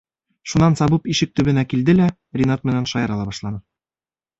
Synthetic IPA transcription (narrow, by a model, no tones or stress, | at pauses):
ʃunɑnsɑbɤpiʃɘk̚t̪ɵ̆bɘ̆nækild̪ɘlæ | rʲinɑt̪mɘ̆nænʃɑjɑɾɑlˠɑbɒʃlˠɑnɤ